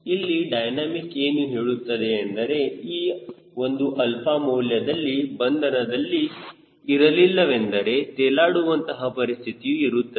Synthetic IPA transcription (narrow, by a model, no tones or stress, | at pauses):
ilːiɖɐjnaːmike̞ːnuɦeːɭut̪ːɐd̪e̞ːnd̪ɐɾe̞iː | o̞nd̪uʔɐlpʰaːmɐːljɐd̪ɐlːibɐnd̪ʱɐnɐd̪ɐlːi | iɾɐlilːɐʋe̞nd̪ɐɾe̞t̪ɛːlaːɽuʋɐnt̪ɐɦɐpɐɾist̪ʰit̪ijuiɾut̪ːɐ